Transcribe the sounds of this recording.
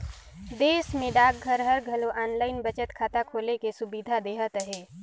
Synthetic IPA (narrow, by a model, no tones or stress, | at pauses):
d̪eːsmẽɖaːk̚ɡʱəɾɦəɾɡʱəloʔaːnlaːɪnbət͡ʃət̪kʰaːt̪akʰoːlekesʊbid̪ʱad̪eːɦət̪əɦeː